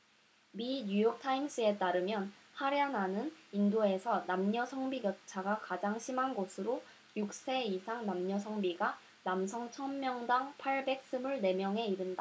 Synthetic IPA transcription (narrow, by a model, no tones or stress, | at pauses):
miɲujok̚tʰaims͈ɯe̞t͈aɾɯmjʌn | haɾeanɦanɯnindoe̞sʰʌnamɲʌsʰʌŋbiɡjʌt̚t͡ɕʰaɡakad͡ʑaŋɕʰimɦanɡosʰɯɾo | juk̚s͈e̞isʰaŋnamɲʌs̬ʰʌŋbiɡa | namsʰʌŋt͡ɕʰʌnmjʌŋdaŋpʰaɭbe̞k̚s͈ɯmɯɭne̞mjʌŋɦe̞iɾɯnda